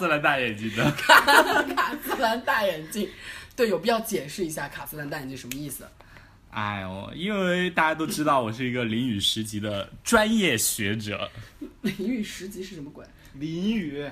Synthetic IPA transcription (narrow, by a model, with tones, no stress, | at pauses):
s̩˥la˧˥nt̪a˥˩jɛ˨˩nt͡ɕi˥˩d̪ə˩kʰa˨˩˥kʰa˨˩s̩˥la˧˥nt̪a˥˩jɛ˨˩nt͡ɕi˥˧ŋt̪we˥˩ɪjo˨˩pi˨˩t͡ɕjɑ˥˩ʊt͡ɕjɛ˨˩nʂɻ̩˥˩i˧˥ɕja˥˩kʰa˨˩sɹ̩˥˧la˧˥nt̪a˥˩jɛ˨˩t͡ɕi˥˩ʂə˧˥mə˧i˥˩s̩˩ | a̰˥˧˩ɪɔ̰˨˩i˥nwe˥˩ɪt̪a˥˧˩t͡ɕja˥t̪̬o˥ʊʈ͡ʂɻ̩˥t̪ɑ˥˩ʊwɔ˨˩ʂ̬ɻ̩˥˩i˧˥ɡə˧li˧˥ŋy˨˩ʂɻ̩˧˥t͡ɕi˧˥d̪ə˧ʈ͡ʂwa˥njɛ˥˩ɕɥɛ˧˥ʈ͡ʂɤ̰˨˩˦li˧˥ŋy˨˩ʂɻ̩˧˥t͡ɕi˧˥ʂɻ̩˥˩ʂə˧˥nmə˧kwa̰˨˩˦n | li˧˥ny˨˩˦